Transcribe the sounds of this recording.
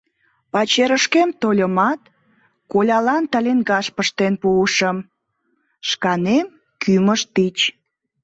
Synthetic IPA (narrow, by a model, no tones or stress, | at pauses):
pɑt͡ɕeɾəʃkemt̪olʲəmɑt̪̚ | kolʲɑlɑnt̪ɑlʲenɡɑʃpəʃt̪enpuəʃəm | ʃkɑnem | kʰyməʃt̪it͡ɕ